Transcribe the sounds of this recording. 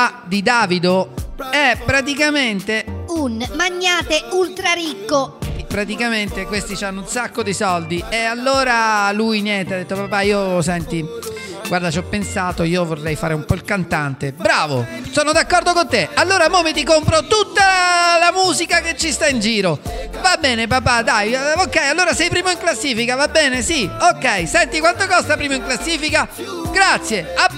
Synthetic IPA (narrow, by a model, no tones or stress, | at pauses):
ad̪id̪aːvid̪oɛpːɾat̪ikament̪eunmaɲːaːt̪eult̪ɾaɾikːopːɾat̪ikament̪ekwest̪it͡ʃanːunsakːod̪isɔld̪iealːoːɾalujnjɛnt̪ead̪et̪ːopapaiːosɛnt̪i | ɡward̪at͡ʃɔpːensaːt̪oiːovorːɛjfaːɾeumpɔilkant̪ant̪ebɾaːvo̰soːnod̪akːɔrd̪okont̪ealːoːɾamomit̪̬ikompɾot̪ut̪ːalamuːzikaket͡ʃːist̪aind͡ʒiːɾovabːɛːnepapad̪ajokːɛjalːoːɾasɛjpɾiːmoiŋklasːiːfikavabːɛːnesiokːɛjsɛnt̪ikwant̪okɔst̪apɾiːmoiŋklasːiːfika | ɡɾat̪sːjea